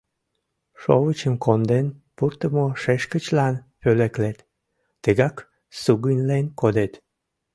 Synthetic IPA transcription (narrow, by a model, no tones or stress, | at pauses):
ʃowət͡ɕəmkond̪enpurt̪əmoʃeʃkət͡ɕlɑn | pøleklet̪ː | əɣɑk | suɣunʲlenkod̪et̪